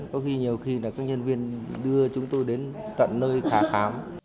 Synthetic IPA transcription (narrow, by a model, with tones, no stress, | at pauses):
kɔ˨˦xi˧ɲi˨˩əwxi˧naː˨˩kaː˦˥k̚ɲə˧nvi˧ənɗɨ˧ət͡ɕʊ˨˦ŋ͡mt̪o˧jɗe˨˦nt͡ɕ̪ə̰˧˨nːəː˧jxaː˨˦xaː˨˦m